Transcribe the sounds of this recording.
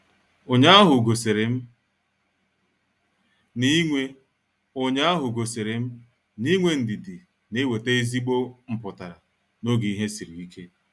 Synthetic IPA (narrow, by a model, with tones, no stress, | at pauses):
o˨ɲa˦a˦ɦʊ˨ɡo˨se˨ɾe˨m̩˦ | ni˦ŋʷe˦ | o˨ɲa˦a˦ɦʊ˨ɡo˨se˨ɾe˨m̩˦ | ni˦ŋʷe˨n̩˨dɪ˨dɪ˨ | ne˦we˨te˦i˦zi˦ɡ͡bo˦ŋ͡m̩˨pʊ˨ta˨ɾa˨ | no˦ɡi˨i˦ɦe˦si˨ɾi˨i˦kʰe˦